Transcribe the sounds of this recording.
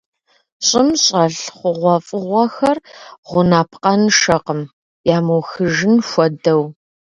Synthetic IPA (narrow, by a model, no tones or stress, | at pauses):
ɕʼɪmɕʼɐɬχʷʊʁʷɔfʼɨʁʷɐxɐrʁʷʊnaːpʰqɐnʂɐqəm | jaːmɐwxɨʒɪnxʷɔdɐw